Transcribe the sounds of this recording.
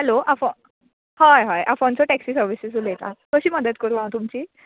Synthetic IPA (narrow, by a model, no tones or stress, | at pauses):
ɦɛloʔafɔ | hajɦajʔafɔnt͡sɔʈɛksiːsəɾʋisesuljet̪ak̪əɕiːməd̪ət̪kəɾuʋãwt̪umt͡ɕiː